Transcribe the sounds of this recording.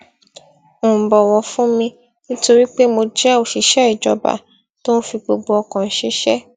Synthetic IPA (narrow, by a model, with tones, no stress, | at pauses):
bɔ˨wɔ̃˨˧fũ˦mĩ˧ | nĩ˦to˧ɾi˦k͡pe˦mo˧d͡ʒɛ˦o˦˨ʃi˨˦ʃɛ˦i˦˨d͡ʒɔ̰˧ba̰˨ | to˦n̩˦fi˧ɡ͡bo˧ɡ͡bo˧ɔ˧kã˨n̩˦ʃe˦ʃɛ˦